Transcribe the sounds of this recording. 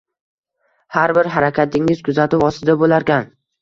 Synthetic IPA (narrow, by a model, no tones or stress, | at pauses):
haɾbɪɾɦaɾakʲʰat̪ʰɪŋɪzkʰʊzat̪ʊwɒsɪd̪abolaɾkʲan